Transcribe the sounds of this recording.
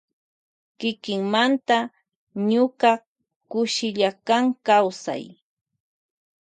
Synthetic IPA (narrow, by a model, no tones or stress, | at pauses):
kɪkɪŋmant̪a | ɲʊka | kʊʃɪʎakaŋkawsa̰j